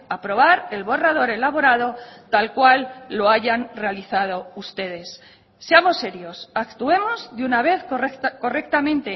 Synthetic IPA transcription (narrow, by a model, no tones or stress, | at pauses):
apɾo̞β̞aɾe̞lβo̞rað̞o̞ɾe̞laβo̞ɾaðo̞t̪alkwalːo̞aʝanre̞aliθað̞o̞ust̪e̞ð̞e̞sː | eamo̞sːe̞ɾjo̞sakt̪ue̞mo̞zðunaβ̞e̞θkko̞re̞k̚t̪amẽ̞nt̪e̞